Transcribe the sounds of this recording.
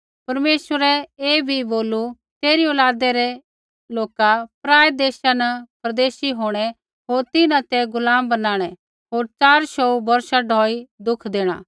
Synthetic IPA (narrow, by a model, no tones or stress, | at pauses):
pɐɾmeːsʋəɾɛeːbʱiboːlu | t̪eːɾioːlaːd̪ɛɾɛ | loːkapɾaːed̪eːʃanɐpɾɐd̪eːʃiɦoːɽ̃ɛ | ɦoːɾt̪ɪnãt̪ɛɡʊlaːmbɐnaːɽ̃ɛ | ɦoːɾt͡ʃaːɾʃɔubɐɾʃaɖʱɔːid̪ʊkʰd̪eːɽ̃a̰ː